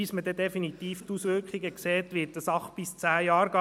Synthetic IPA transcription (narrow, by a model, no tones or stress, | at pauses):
ismədɛd̪ɛfinit̪iːft̪usʋʏɾkχiɡəkseːt̪ʋɪtdəsɑχt̚b̥ɪst͡sæːjɑːɾɡ̥ɑ